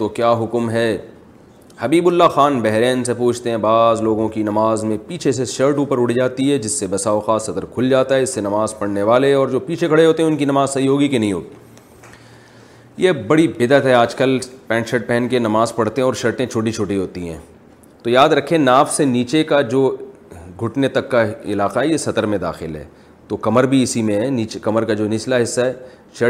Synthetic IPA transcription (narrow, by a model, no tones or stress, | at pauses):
t̪okjaːɦʊkmɦɛː | hɐbiːbʊlːaxaːnbɛɦɾeːnsepuːt͡ʃʰt̪eɦɛ̃baːzloːɡõkinɐmaːzmẽpiːt͡ʃʰeseʃəɾʈuːpəɾʊɽ̤id͡ʒaːt̪iɦɛd͡ʒɪsːebɐsaːoxaːsɐd̪əɾkʰʊld͡ʒaːt̪aɦɛɪsːenɐmaːzpɐɽneʋaːleɛɔːɾd͡ʒoːpiːt͡ʃʰekʰɐɽeɦoːt̪eɦɛ̃ʊnkinɐmaːzsɐɦiɦoːɡikenɐɦĩɦo̰ːɡi | jebɐɽibɪd̪ət̪ɦɛaːd͡ʒkəlpɛ̃ːnʃəʈ̚pɛːnkenɐmaːzpɐɽt̪eɦɛ̃ɔːɾʃɐɾʈẽt͡ʃʰoːʈ̬it͡ʃʰoːʈiɦoːt̪iɦɛ̰̃ː | t̪ojaːd̪ɾɐkʰẽnaːfseniːt͡ʃekad͡ʒoː | ɡʱʊʈnet̪ɐkːaɪ̰laːqaɦɛjesɐt̪əɾmẽd̪a̰ːxɪlɦɛ̰ː | t̪oːkɐməɾbʱiɪsimẽɦɛniːt͡ʃkɐməɾkad͡ʒoːnɪslaɦɪsːaɦɛː | ʃɐ